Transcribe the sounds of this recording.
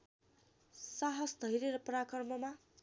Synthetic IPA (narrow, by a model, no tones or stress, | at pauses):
saɦʌsd̪ʱʌiɾeɾʌprakʌrmʌma